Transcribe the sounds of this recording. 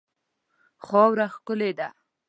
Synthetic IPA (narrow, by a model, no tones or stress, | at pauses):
xɔwɾaxkʊled̪a